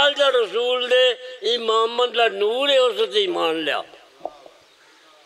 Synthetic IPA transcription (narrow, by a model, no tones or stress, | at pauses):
ald͡ʒaːɾəsuːld̪eːimaːmːənd̪lanuːɾeːosət̪imaːnlja̰ː